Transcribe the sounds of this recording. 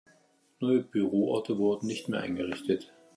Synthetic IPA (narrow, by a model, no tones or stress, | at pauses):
nɔʏəbyʁoːʔɔɐtʰəvʊɐdn̩nɪçtmeːɐʔa̰ɪnɡəʁɪçtət